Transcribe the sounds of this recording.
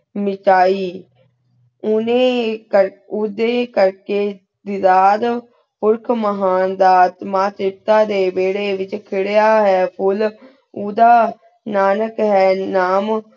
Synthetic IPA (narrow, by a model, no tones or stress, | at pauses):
mɪt͡ʃaːiː | ʊnẽːəɾ | ʊd̪eːkəɾkeː | d̪ɪd̪aːd̪ | pʊɾkʰməɦaːnd̪aːt̪maːt̪ɾɪp̚t̪aːd̪eːbeːɽeːʋɪt͡ʃkʰɪɽejaːɦɛːpʰʊl | uːd̪aː | naːnəkɦɛːnaːm